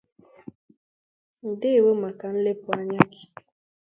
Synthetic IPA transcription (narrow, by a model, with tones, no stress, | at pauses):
n̩˨dɪ˦˨wo˦ma˨ka˨n̩˦le˦pu˨a˦ɲa˦ki̥˨